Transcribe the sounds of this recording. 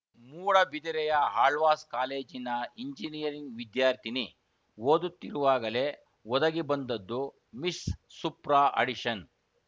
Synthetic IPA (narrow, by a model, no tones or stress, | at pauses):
muːɽɐbid̪iɾɛjɐɦaːɭʋaːskaːle̞ːd͡ʒinɐiɲd͡ʒinijɐɾiŋɡʋid̪jaːɾt̪ʰini | woːd̪ut̪ːiɾuʋaːɡɐle | wɔd̪ɐɡibɐnd̪ɐd̪ːu | misːupɾaːʔɐ̰ɽiʂɐn